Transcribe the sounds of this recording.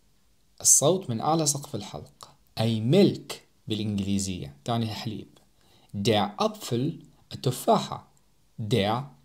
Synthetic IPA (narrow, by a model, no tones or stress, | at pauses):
ʔɨsˤːowt̪ˤmɪnʔa̰ʕlas̬ˤɑqfɪlħɑ̰lq | ʔajmɪlk | bɪlʔɪnɡliːzɪjːa̰t̪aːniaħalḭːb̥ | d̪eːʕʔɑb̪ˤfʊl | ʔat̪ːʊfaːħa̰ | d̪eːʕ